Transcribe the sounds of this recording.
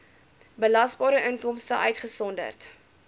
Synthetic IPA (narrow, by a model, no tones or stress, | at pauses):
bəlɐsbɑːɾəʔəŋkɔmstəʔœ̰ɥtχəsɔndə̰rt